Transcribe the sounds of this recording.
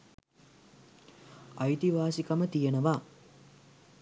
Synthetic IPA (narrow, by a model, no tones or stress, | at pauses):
ɐjt̪iʋaːsikamət̪ijenəʋa